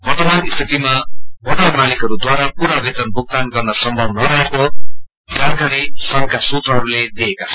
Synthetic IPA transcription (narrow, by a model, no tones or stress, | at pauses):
bʌrt̪ʌmanist̪ʰit̪imabʌrt̪abʌrmalikɦʌɾud̪waɾapuɾabet̪ʌnbʱuk̚t̪anɡʌrnʌsʌmbʱʌbnʌɾʌɦeko | d͡zanɡaɾisʌŋkasut̪rʌɦʌɾuled̪eːkat͡sʰʌ